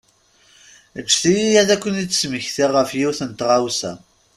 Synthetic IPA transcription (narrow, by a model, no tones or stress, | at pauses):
əd͡ʒθijijæðækʷːənit͡sːsməçθiʁːəfjiwθənt̪ʁawsæ̰